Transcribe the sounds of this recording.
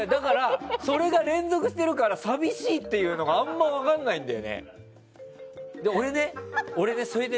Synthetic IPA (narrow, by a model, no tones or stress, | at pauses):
jad̪akaɾaso̞ɾe̞ɡaɾẽ̞nzo̞kɯ̟ɕi̥t̪e̞ɾɯ̟kaɾasabʲiɕiːt̪ːe̞jɯ̟ːno̞ɡãːmːaiβakãnːaĩnd̪ajo̰nḛ | d̪eo̞ɾe̞ne̞o̞ɾe̞ne̞so̞ɾe̞d̪e